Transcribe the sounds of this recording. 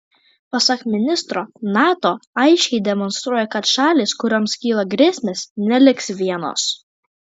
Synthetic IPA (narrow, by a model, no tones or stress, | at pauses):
pɐsɑkmʲɪnʲɪst̪ɾoːnɑːt̪oːɐɪʃʲkʲɛɪd̪ʲɛmɔnst̪ɾuɔjɛkɐt̪ʃɑːlʲiːskʊɾʲoːmskʲiːlˠɐɡɾʲeːsʲmʲeːsnʲɛlʲɪksʋʲiɛno̰ːs